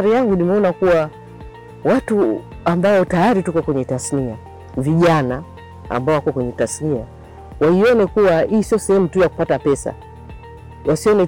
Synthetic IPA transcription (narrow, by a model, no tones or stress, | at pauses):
ɾijaŋɡunimɛɔnakuwa | watu | ambaɔtajaɾitukɔkwɛɲɛtasnia | viʄana | a̰mbaɔwakuwakwɛɲɛtasnia | waiɔnɛkuwaiːsiɔsɛhɛmutujaku̥patapɛsa̰ | wasiɔnɛ